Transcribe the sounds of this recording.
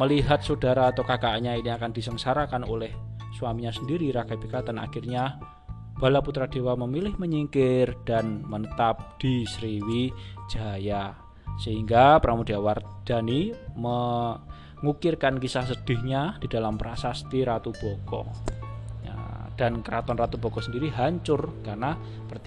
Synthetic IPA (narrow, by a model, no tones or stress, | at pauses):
məliɦat̪̚sodaɾaːt̪owkakaʔaɲainiakandisəŋsaɾakanolɛh | swamiɲasəndiɾiɾakaipikat̪ana̰xirɲa | b̥alaput̪ɾad̥e̤waməmilɪhməɲiŋkɪrd̥anmənət̪ap̚d̥isɾiwi̥d͡ʒ̥aja | səɦiŋɡapɾʔamodiaward̪̥animə | ŋukɪrkankisahs̬əd̥ɪ̤hɲad̥i̤d̥alamɾasast̪iɾat̪ub̥ɔkɔ̰ | ja̰d̥ankəɾat̪ɔnrat̪ub̥ɔ̤kɔsəndiɾiɦaɲt͡ʃʊrkarna | pərt̪